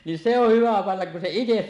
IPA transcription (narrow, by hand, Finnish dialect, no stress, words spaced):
nin se oh hyʋæ pɑnːɑk kun se ites